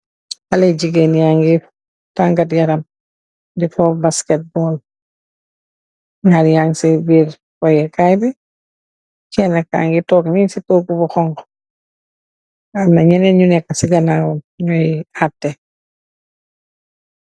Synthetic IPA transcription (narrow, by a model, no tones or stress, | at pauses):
haleɟiɡenjaŋɡi | taŋɡatjɐɾɐm | difɔbaskɛt̚bɔl | ɲaɾjaŋsibiɾ | kɔjɛkajbɛ | t͡ʃɛnaka̰ŋɡitɔːkninsitoːkubuxɔŋkɔ̥ | amnɐɲɛnɛɲunɛkːasiɡɐnaːwɐm | ɲɔjap̚tːɛ